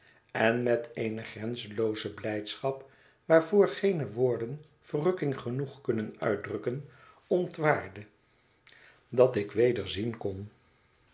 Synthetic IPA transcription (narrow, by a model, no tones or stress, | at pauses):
ɛnmɛtejnəχrɛnzəlowzəblɛjtsχɑp | ʋaːɹvʊːɹχejnəʋʊːɹdən | v̥ərɵkɪŋχənuχkɵnənœ̰ɥ̚drɵkən | ɔntʋaːɹdə | dɑtɪkʋejdəɹzinkɔn